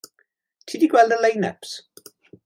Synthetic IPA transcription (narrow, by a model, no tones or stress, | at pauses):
tʰiːdiɡwɛlˠdəlejnɛ̰ps